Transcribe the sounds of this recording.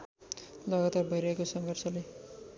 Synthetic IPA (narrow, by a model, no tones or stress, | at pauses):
lʌɡat̪arbʱʌiɾʌɦekosʌŋɡʱʌrsʌle